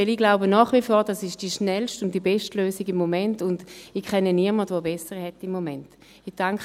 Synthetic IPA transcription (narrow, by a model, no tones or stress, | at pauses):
ɛliɡlaʊbənɔːχʋifɔːʁdasɪʃtd̥iʃnɛlʃtʊnt̚d̥ibɛʃtløːsiɡimːomɛntʊndikʰɛnəniəɐmɐdvoːbɛsəʁhɛtɪmːomɛnt | id̥aŋk